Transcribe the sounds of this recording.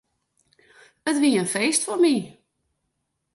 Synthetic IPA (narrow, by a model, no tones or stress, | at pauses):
ətʋiəənfejstfɔnmi